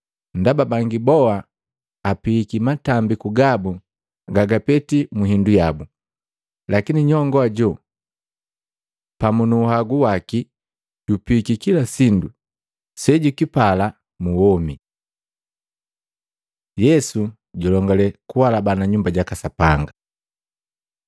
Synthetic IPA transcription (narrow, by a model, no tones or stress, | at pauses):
ndababaŋɡibɔaː | piikimatambikuɡabu | ɡaɡapɛtimuɦindujabu | lakiniɲɔŋɡɔaɟɔ | pamunuːhaɡuwaki | ɟupikikilasindu | sɛɟukipala | muwɔmi | jɛsu | ɟɔlɔŋɡalɛkuwalabanaɲumbaɟakasapaŋɡa